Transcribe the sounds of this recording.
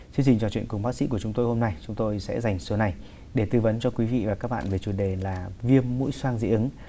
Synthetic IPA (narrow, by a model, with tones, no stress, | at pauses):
t͡ɕwi˧əŋɲt͡ɕï˨˩ŋ̟t͡ɕɔ˨˧˩t͡ɕw̰nkʊ˨˩ŋ͡mɓaː˦˥k̚sḭ˧˥ku˧˩ət͡ɕʊ˨˦ŋ͡mt̪o˧jho˧mna˧jt͡ɕʊ˨˦ŋ͡mt̪o˧jsɛ̰˧˥za˨˩jŋ̟sə˨˦na˨˩j | ɗe˧˩t̪ɨ˧və˨˦nt͡ɕɔ˧kwi˨˦vḭ˧˨vaː˨˩kaː˦˥k̚ɓa̰ː˧˨nve˨˩t͡ɕu˨˩ɗe˨˩laː˨˩vi˧əmːṵ˧˥jswaː˧ŋzḭ˧˥ʔɨ˨˦ŋ